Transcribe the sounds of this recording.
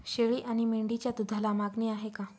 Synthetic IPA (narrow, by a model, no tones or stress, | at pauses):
ɕeɭiːʔaɽ̃imeɳɖit͡ɕjat̪ud̪ʱalamaɡneaɦeka